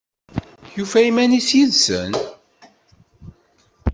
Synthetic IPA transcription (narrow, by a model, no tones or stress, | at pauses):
jufæimænisjiðsə̰n